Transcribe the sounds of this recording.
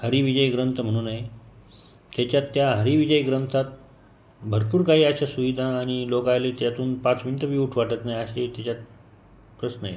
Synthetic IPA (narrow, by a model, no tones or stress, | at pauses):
həɾiʋid͡ʑəjɡɾənt̪ʰəm̤əɽ̃uːnaɦe | t̪jat͡ɕjat̪ːjaɦəɾiʋid͡ʑəjɡɾənt̪ʰat̪̚ | bʱəɾpuːɾkaɦiːaɕasuʋid̪ʱaːɽ̃ilokajlet̪jat̪uːnpat͡sminiʈ̪əʋiːuʈʰʋaʈət̪naɦjaɕet̪jat͡ɕjat̪̚ | pɾəsnəḛ